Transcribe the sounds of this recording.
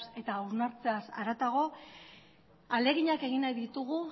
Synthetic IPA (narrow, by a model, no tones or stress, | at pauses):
se̞t̪auznaɾt͡se̞asa̰ɾat̪aɣ̞o̞ | ale̞ɣiɲake̞ɣinajðit̪uɣ̞u